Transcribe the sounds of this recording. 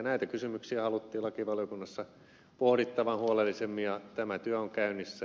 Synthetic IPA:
næit̪ækysymyksiæhɑlut̪ːiːlɑkiʋɑljokunːɑsːɑ | pohɾit̪ːɑʋɑnhuolelːisemːijɑt̪æmæt̪yæoŋkæynːˑisːæ

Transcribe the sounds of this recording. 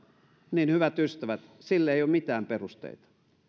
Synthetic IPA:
niːnhyʋæt̪yst̪æʋæt̪silːeˑioːmit̪æːmperust̪ḛit̪ɑ̥

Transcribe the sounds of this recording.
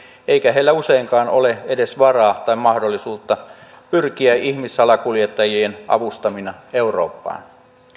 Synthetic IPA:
eikæɦeilːæuseiŋkɑːno̞leede̞sʋɑrɑːt̪ɑimɑhdolːisuːt̪ːɑ | pyrkiæʔihmisːɑlɑkuljet̪ːɑjienʔɑ̰ʋust̪ɑminɑeuro̰ːpːɑ̰ːn

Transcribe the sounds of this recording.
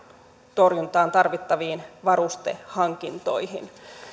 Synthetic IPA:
t̪o̞rjunt̪ɑːnt̪ɑrʋit̪ːɑʋiːnʋɑɾust̪ḛhɑŋkint̪o̞̰jɦḭn

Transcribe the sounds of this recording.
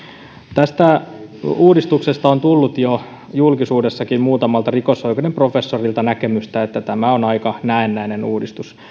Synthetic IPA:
t̪æst̪æ | uːdist̪uksest̪ɑont̪ulːut̪jo | julkisuːdesːɑkimmuːt̪ɑmɑlt̪ɑrikosoikonemprofesːorilt̪ɑnækemyst̪æet̪ːæt̪æmæonɑikɑnæenːæinenuːdist̪us

